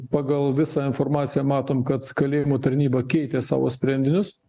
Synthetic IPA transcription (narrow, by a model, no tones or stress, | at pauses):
pɑːɡɐlˠʋʲɪsɑːɪnfoːɾmɑːt̪sʲɪjɛmɑːt̪oːmkɐt̪kɐlʲeːjɪmot̪ɐɾʲnʲiːbɑkʲɛɪt̪ʲeːsɑ̰ːʋo̰ːsʲpʲɾʲɛnʲd̪ʲɪnʲʊs